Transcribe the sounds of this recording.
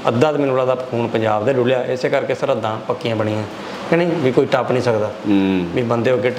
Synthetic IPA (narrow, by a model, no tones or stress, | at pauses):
əd̪ãːt̪mɪlɽãːd̪aːpkʰuːɳpəɲd͡ʒaːbd̪eːɖʊljaːʔɪseːkəɾkeːsəɾəd̪ːãːpəkːɪjãːbəɳ̃ĩːãː | kɛneĩʋiːkoːiːʈaːpnĩːsəkd̪aːʋiːbənd̪eːɦoːɡeː